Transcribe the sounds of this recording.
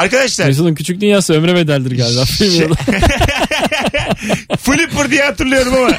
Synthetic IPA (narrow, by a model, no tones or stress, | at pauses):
aɾkad̪aʃlˠaɾes̬onɯncʰyt͡ʃʰyc̚d̪ynjaːsɯø̞mɾeved̪ælʲd̪iɾɟalʲd̪afilʲmiod̪ˠ | filʲipːuɾd̪ijat̪uɾlˠɯjo̞ɾumama